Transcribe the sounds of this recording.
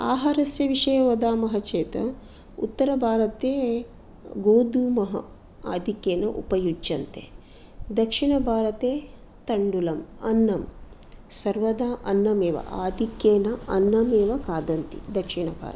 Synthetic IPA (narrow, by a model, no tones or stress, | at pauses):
aːɦaːɾɐsjɐʋiʂɐjɐʋɐd̪aːmɐɦɐt͡ʃeːt̪ɐ̰ | ṵt̪ːɐɾɐbʱaːɾɐt̪eː | ɡoːd̪uːmɐɦɐ̰ | a̰ːd̪ʱikjeːnɐʔṵpɐjud͡ʒjɐnt̪ḛː | d̪ɐkʂiɳɐbʱaːɾɐt̪eː | t̪ɐɳɖulɐmɐnːɐm | sɐɾʋɐd̪aːʔɐnːɐmeːʋɐ̰ʔaːd̪ʱikjeːnɐɐnːɐmeːʋɐkaːd̪ɐnt̪ḭd̪ɐkʂiɳɐbʱa̰ːɾɐt̪